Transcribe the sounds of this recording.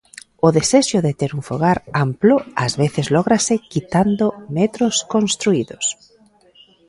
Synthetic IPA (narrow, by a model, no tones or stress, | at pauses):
ʊðeseʃʊðet̪eɾuɱfoɣaɾamploazβeθezlɔɣɾasɪkit̪and̪omet̪ɾoskonst̪ɾuiðos